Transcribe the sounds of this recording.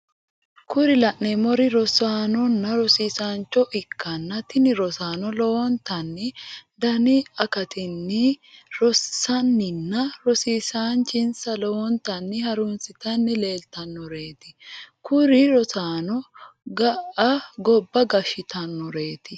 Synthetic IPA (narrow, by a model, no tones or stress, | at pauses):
kʊɾɪlɐʔnemɔɾɪɾɔsaːnɔnːɐɾɔsiːsaːnt͡ʃːɔʔɪkʰːɐnːɐt̪ɪnɪɾɔsaːnɔlɔwɔnt̪ɐnːɪd̪ɐnɪɐkɐt̪ɪnːɪɾɔssɐnːɪnːɐɾɔsiːsaːnt͡ʃɪnsɐlɔwɔnt̪ɐnːɪhɐɾʊnsɪt̪ɐnːɪle̞ːlt̪ɐnːɔɾe̞ːt̪ɪkʊɾɪɾɔsaːnɔɡɐʔɐɡɔbːɐɡɐʃɪt̪ɐnːɔɾe̞ːt̪ɪ